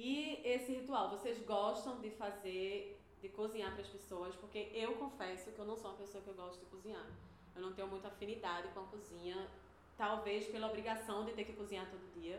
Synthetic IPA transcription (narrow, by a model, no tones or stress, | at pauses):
ɪesɪhit̪uawvosezɡɔʃt̪ɐ̃w̃d̪ɪfazeɾ | d̪ɪkuzĩɲapɾɐspesoɐspoɾkeʔewkõfɛsʊkɪewnɐ̃w̃soũmɐpesoɐkɪewɡɔʃt̪ʊd̪ɪkuzĩɲaɾ | ewnɐ̃w̃t̪ẽɲʊmũj̃t̪afĩnid̪ad̪ɪkõɐkuzĩɲɐ | t̪awvespelɐobɾiɡasɐ̃w̃d̪ɪt̪eɾkɪkuzĩɲaɾt̪od̪ʊd̪iɐ